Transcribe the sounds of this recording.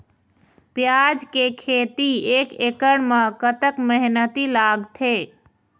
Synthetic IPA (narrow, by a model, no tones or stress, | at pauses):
pjad͡ʒkekʰet̪iekekəɽmekət̪əkməɦnət̪ilaɡt̪ʰe